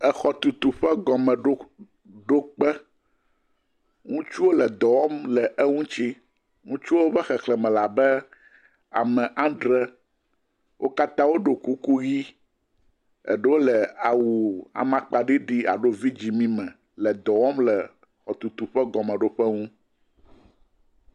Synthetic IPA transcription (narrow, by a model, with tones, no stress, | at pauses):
ɛ˨xɔ˨t̪u˨t̪u˨ɸɛ˦ɡɔ˨mɛ̃˨ɖo˦ | ɖo˦k͡pɛ˦ | ŋũ˦t͡ʃu˦wo˦lɛ˨d̪ɔ˨wɔ˦mlɛ˨ʔɛ˦ŋũ˦t͡ɕi˦ | ŋũ˦t͡ʃu˦o˦bɛ˦xɛ˨klɛ˨mɛ̃˨la˨bɛ˦ | a̰˨mɛ̃˨ʔã˦ɖɾɛ˦ | wʔo̰˦ka˦t̪ã˦wo˦ɖo˨ku˦ku˦ɣi˦ | ɛ̰˨ɖɛ˦wo˦lɛ˨a˨wu˨a̰˨mã˦k͡pa˨ɖi˦ɖi˦a̰˨ɖo˦vi˦d͡ʑi˨mĩ˦mɛ̃˨ | lɛ˨d̪ɔ˨wɔ˦mlɛ˨ | xɔ˨t̪u˨t̪u˨ɸɛ˦ɡɔ˨mɛ̃˨ɖo˦ɸɛ˦ŋũ˦